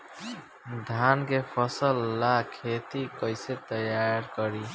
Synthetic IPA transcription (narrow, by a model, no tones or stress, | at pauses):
d̪ʱankepʰʌsəlːakʰet̪ikʌjset̪ʌjaɾkʌɾi